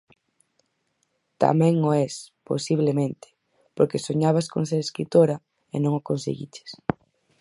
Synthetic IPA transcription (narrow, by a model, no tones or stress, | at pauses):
t̪a̰mɛ̃ŋoɛspo̰siβlemẽnt̪ɪ̥ | poɾkesoɲaβ̞asko̰ns̬eɾeskɾit̪oɾa | enõŋokõnsḛɣḭt͡ʃe̥s